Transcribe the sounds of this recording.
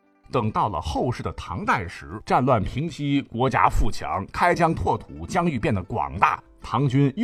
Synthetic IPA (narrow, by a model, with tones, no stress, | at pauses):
t̪ɤ˨˩ŋt̪ɑ˥˩ʊlə̰˩xo˥˧ʊʂɻ̩˥˩d̪ə˩t̪ʰɑ̰˧˥ŋt̪a˥˩ɪʂɻ̩˧˥ʈ͡ʂa˥˧nlwa˥˩npʰi˧˥ŋt͡ɕʰi˥kwɔ˧˥t͡ɕja̰˥fu˥˩t͡ɕʰjɑ̰˧˥ŋkʰa˥ɪt͡ɕjɑ˥ŋt̪ʰwɔ˥˩t̪ʰu˨˩˦t͡ɕjɑ˥ŋy˥˧pjɛ˥˩nd̪ə˩kwɑ̰˨˩ŋt̪a̰˥˩ | t̪ʰɑ˧˥ŋt͡ɕy˥n